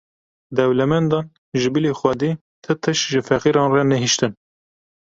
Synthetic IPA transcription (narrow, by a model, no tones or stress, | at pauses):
d̪ɛwlɛmɛnd̪ɑːn | ʒɨbilexwɛd̪iː | t̪ʰɨt̪ʰɨʃʒɨfɛqiːɾɑːnrɛnɛɦiʃt̪ɨn